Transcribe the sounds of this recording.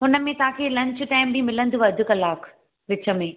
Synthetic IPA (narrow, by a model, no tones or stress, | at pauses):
ɦʊnə̆mẽt̪ɐɦãkʰeːlɐ̃ɲt͡ɕʊ̆ʈaːɪmbimɪlə̃nd̪uʋɐd̪ʱʊkɐlaːk | ʋɪt͡ɕə̆mẽ